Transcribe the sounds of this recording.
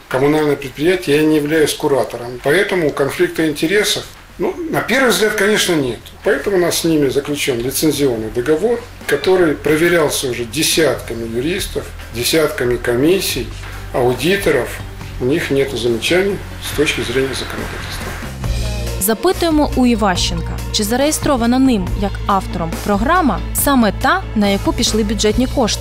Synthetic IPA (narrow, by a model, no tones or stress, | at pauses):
kəmʊnalʲnəjəpɾʲɪt̪̚pɾʲɪjætʲɪjəjanʲɪjɪvlʲæjʉsʲkʊɾat̪əɾəmpɐɛt̪əmʊkɐnflʲik̚t̪ɨɪnʲtʲɪɾʲe̞səf | nunɐpʲe̞rvɨjzɡlʲat̪̚kɐnʲe̞ʂnənʲe̞t̪ʊ̥pɐɛt̪əmʊnassʲnʲimʲɪzəklʲʉt͡ɕo̞nlʲɪt̪sɨnʲzʲɪo̞nːɨjd̪əɡɐvo̞r | kɐt̪o̞ɾɨjpɾəvʲɪɾʲalˠsʲəʊʐɛdʲɪsʲat̪kəmʲɪjʊɾʲist̪əf | dʲɪsʲat̪kəmʲɪkɐmʲisʲːɪj | ɐʊdʲit̪əɾəf | ʊnʲixnʲet̪ʊzəmʲɪt͡ɕænʲɪj | st̪o̞t͡ɕkʲɪzɾʲenʲɪjəzəkənɐ̰d̪a̰tʲɪlʲst̪ʋə | zɐpɪt̪ʊjemɔʔʊiʋɑʃt͡ʃːɪnkɐ̰t͡ʃɪzɐɾejest̪ɾɔʋɐnɐnɪmjɐkɑft̪ɔɾɔmpɾɔɦɾɑmɐ | sɑmɛt̪ɑnɐjɐkupʲiʃlˠɪbʲʊʐɛtʲnʲikɔʂt̪